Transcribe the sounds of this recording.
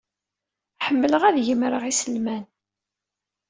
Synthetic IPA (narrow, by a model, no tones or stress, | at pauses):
ħəmːələʁæðjəmɾəʁisəlmæn